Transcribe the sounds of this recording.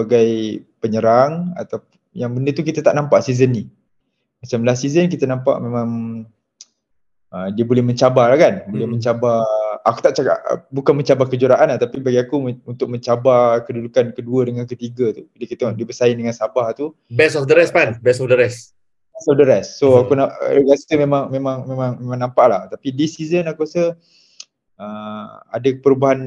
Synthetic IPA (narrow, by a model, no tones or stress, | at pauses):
əaɡajpəɲəɾaŋa̰t̪a | jaŋbəndət̪ukit̪at̪a̰ʔnampaʔsizənːi | mat͡ʃamlasizənk̬it̪ənampa̰ʔmemãŋ | ədiəbolɛhmə̃ɲt͡ʃabalahkanbolɛhmə̃ɲt͡ʃabaaku̥t̪aʔt͡ʃaka̰ʔbukanmə̃ɲt͡ʃabakəd͡ʒuɾaʔanat̪apibaɡiakuunt̪ʊk̚mə̃ɲt͡ʃabakədudukankəduədəŋankət̪iɡat̪udkit̪ədiəbəsaɪndəŋansabaht̪u | bɛsɔfdəɾɛspanbɛsɔfdəɾɛs | bɛsɔfdəɾɛssːoakuna̰ɡasəmemãŋmemãŋmemãŋmemãŋnampaʔlaht̪apidisizənakusə | əa̰dapəɾubaɦan